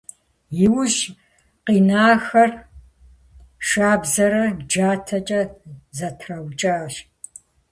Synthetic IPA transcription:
jɪwʊʑ | qiːnaːxɐr | ʂaːbzɐɾɐd͡ʒaːtʰɐt͡ʃʼɐzɐtʰrɐwt͡ʃʼaːɕ

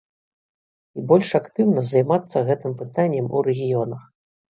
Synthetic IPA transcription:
ibɔlʲʂakt̪ɨwnɐzɐjmat̪sːɐɣɛt̪ɨmpɨt̪anʲːɛmṵɾɛɣʲijɔnɐx

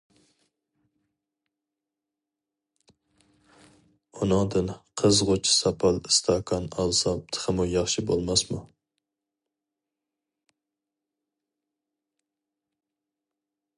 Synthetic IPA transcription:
unɨŋd̪ɨnqʰəzʁot͡ʃʰsɑpʰɑlˠɨst̪ʰɑkʰɑnɑlˠsɑpt̪ʰə̥χəmujɑχʃibolˠmɑsmṵ

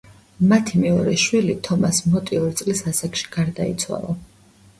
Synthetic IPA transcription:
mat̪ʰimɛɔɾɛʃwilit̪ʰɔmasmɔt̪ʼiɔɾit̪sʼlisasakʃi̥ɡ̥aɾd̪aḭt̪sʰwa̰lˠa

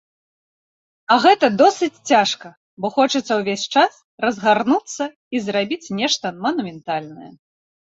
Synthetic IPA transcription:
ɐɣɛt̪ɐd̪ɔsɨt͡sʲt͡sʲaʂkɐ | bɔxɔt͡ʂɐt̪sːɐwvʲesʲt͡ʂas | rɐzɣarnut̪sːɐ | izrabʲit͡sʲnʲɛʂt̪ɐmɐnumʲɛnt̪alʲnɐjɐ̰

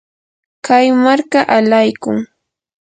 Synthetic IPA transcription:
kajmaɾkaʔalajkʊŋ

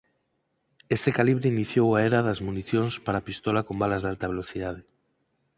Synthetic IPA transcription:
est̪ekaliβɾeiniθjowaeɾaðazmuniθjonspaɾapist̪ɔlakombalazðalt̪aβ̞eloθiðað̞e

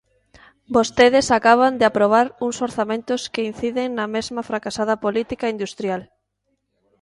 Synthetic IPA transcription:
bost̪eð̞ɪsakaβ̞and̪ɪapɾoβ̞aɾuŋsoɾθamẽnt̪ʊskein̟θiðeŋnɐmezmɐfɾakasað̞ɐpolit̪ikaind̪ust̪ɾjal

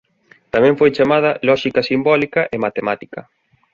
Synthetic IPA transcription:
t̪amɛ̃ɱfojt͡ʃamað̞ɐlɔʃikɐsimbɔlikɐʔemat̪emat̪ikɐ

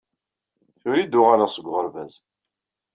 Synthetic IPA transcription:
θʊɾid̪ʊʁaɾasˤəɡʷʁəɾvæz

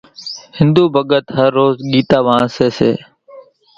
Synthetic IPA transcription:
hɪ̃nd̪uːbʱəɠət̪ɦəɾːoːzɠiːt̪aːʋaãseːseː

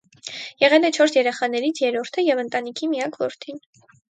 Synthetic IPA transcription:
jɛʁɛlɛt͡ʃʰɔɾsjɛɾɛχɑnɛɾit͡sʰjɛɾɔɾt̪ʰəjɛvənt̪ɑnikʰimijɑkʰvɔ̰ɾt̪ʰin

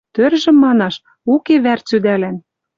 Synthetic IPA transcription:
t̪ørʒɘ̆mːɑnɑʃ | ukeβært͡syd̪ælæn

